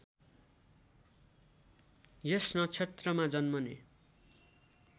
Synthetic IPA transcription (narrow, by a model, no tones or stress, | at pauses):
jesnʌt͡sʰet̪rʌmad͡zʌnmʌne